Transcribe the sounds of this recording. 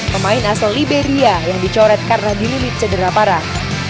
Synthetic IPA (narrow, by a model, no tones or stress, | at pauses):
pəmaɪnasallibeɾiajaŋdit͡ʃɔɾɛt̪̚kanlahdililɪt̪̚sədəɾapaɾat̪̚